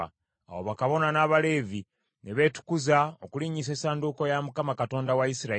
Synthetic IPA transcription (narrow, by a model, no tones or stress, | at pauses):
a̰wo̰βakaβo̞nanaːβale̞ːvi | ne̞βe̞tu̥kuzaokuliɲis̬e̞ːsaːnduko̞jamukamakato̞ːndawaisiɾa